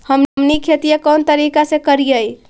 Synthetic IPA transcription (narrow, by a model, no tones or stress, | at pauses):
həmmnikʰet̪ijəkənt̪əɾikasẽkəɾijəj